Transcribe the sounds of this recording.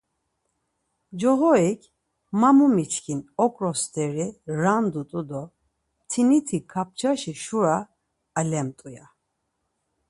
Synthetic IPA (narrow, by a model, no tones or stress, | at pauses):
d͡ʒɔɦɔikʰ | mamumit͡ʃʰkʰinɔkʼɾɔst̪ʰɛɾiɾand̪ut̪ʼud̪ɔ | t̪ʰinit̪ʰikʰap̚t͡ʃʰaʃiʃuɾaː | lɛmt̪ʼuja